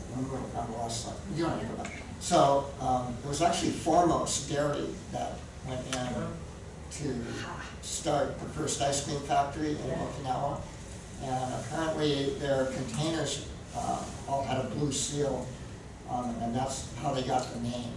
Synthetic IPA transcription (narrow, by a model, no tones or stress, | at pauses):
wʌ̃nəbãɾlɔsʌ̰jɨdõnhiɹəbaʊt̚ | soʊɪt̚wʌzæk̚t͡ʃʉl̩ˠifɔɹmoʊsd̥ɛɹɨɾḭ | ðɨ̰t̚ | wɛ̃ntɪ̃n | tʰɨ | stɑɹt̚pəfʰɜ˞staɪspĩnfæk̚tə˞iʔɨ̰̃nlokɪ̃ŋawə̃ | ʔɨ̃nə̰pʰɛɹɨ̃nʔliðə˞kʰɨ̃n̩tʰẽɪ̃nə˞z | ɔlˠɨɾəblusilˠ | ʔə̃nðɨ̃mɨ̃nðætshaʊðeɪɡɑt̪̚ðɨnẽɪ̃m